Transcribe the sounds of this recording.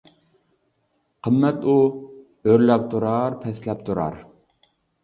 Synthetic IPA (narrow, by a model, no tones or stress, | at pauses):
qʰəmːɛt̪u | øɾlɛp̚t̪ʰuɾɑɾpʰɛslɛp̚t̪ʰuɾɑ̰ɾ